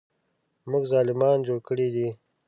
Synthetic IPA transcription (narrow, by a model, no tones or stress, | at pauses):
mʊɡzɑːlɪmɑːnd͡ʒoːɽkəɽid̪i